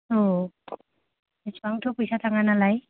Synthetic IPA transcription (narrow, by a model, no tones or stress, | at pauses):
o | esaŋtʰʊpujsataŋanalaj